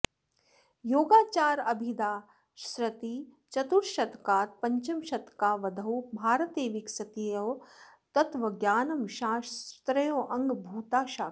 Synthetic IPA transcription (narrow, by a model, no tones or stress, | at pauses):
joːɡaːt͡ʃaːɾɐbʱid̪aː | ʃɾɐt̪iː | t͡ʃɐt̪uɾʃɐt̪kaːt̪̚pɐɲt͡ʃɐmʃɐt̪kaːʋɐd̪ʱɐwbʱaːɾɐt̪eːʋiksɐt̪ejɐːt̪ɐt̪ʋɐɡjaːnɐmʃaːʃt̪ɾɐjoːʔɐŋɡbʱuːt̪aːʃaː